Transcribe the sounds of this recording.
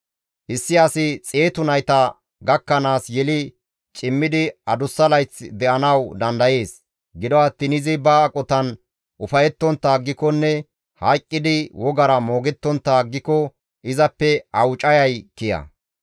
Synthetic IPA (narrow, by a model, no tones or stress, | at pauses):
ʔɪsːɪɐsɪt͡sʼe̞ːt̪ʊnɐjt̪ɐ | ɡɐkːɐnaːsjɛlɪ | t͡ʃʼɪmːɪd̪ɪɐd̪ʊsːɐlɐjt͡sːd̪ɛʔɐnɐwd̪ɐnd̪ɐje̞ːs | ɡɪd̪ɔɐt̪ːɪnɪzɪbɐːkʼɔt̪ɐn | ʔʊfɐjɛt̪ːɔnt̪ːɐːɡːɪkɔnːɛ | hɐjkʼːɪd̪ɪwɔɡɐɾɐmo̞ːɡɛt̪ːɔnt̪ːaɡːɪkɔ | ʔɪzɐpːɛɐwt͡ʃʼɐjɐjkɪjɐ̰